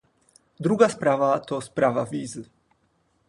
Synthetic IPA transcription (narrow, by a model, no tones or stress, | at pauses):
d̪ɾuɡaspɾavat̪ospɾavaviːzl